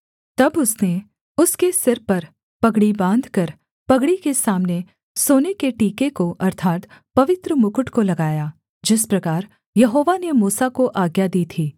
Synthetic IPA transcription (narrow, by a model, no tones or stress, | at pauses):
t̪ɐbʊsne | ʊskesɪɾpɐɾ | pɐɡɽibãːnd̪ʱkɐɾ | pɐɡɽikesaːmne | soːnekeʈiːkekoʔɐɾt̪ʰaːt̪pɐʋɪt̪ɾəmʊkʊʈkolɐɡaːjaː | d͡ʒɪspɾɐkaːɾ | jɐɦoːʋanemuːsakoʔaːɡjad̪iːt̪ʰiː